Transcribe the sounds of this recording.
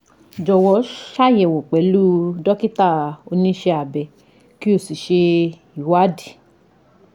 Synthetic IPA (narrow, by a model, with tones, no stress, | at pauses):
d͡ʒɔ˧˨wɔ˧˦ʃa˦jɛ˨wo˨k͡pɛ˨˦lu˦dɔ˦ki˦ta˦˨o˧nĩ˧˦ʃe˧a˨bɛ˨ | ki˦o˦˨si˨ʃe˧ | i˨wa˦di˨